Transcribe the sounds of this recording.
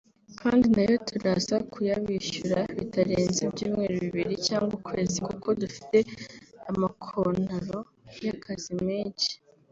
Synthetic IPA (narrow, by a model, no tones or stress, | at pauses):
kʰaːndinajo̞tʰuɾazakʰujaβiʃuɾaβitaɾeːnzibjiːmŋe̞ːɾoβiβiɾicaːŋɡwakwe̞ːzikuko̞dufi̥te̞amakʰonaɾo̞ | jakʰazimeːɲci̥